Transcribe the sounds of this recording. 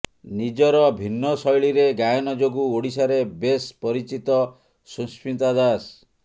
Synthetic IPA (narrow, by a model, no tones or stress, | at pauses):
nid͡ʒɔɾɔbʱinːɔsɔjɭiɾeɡajɔnɔd͡ʒoɡuoɽisaɾebespɔɾit͡ʃit̪ɔ | suspʰint̪ad̪as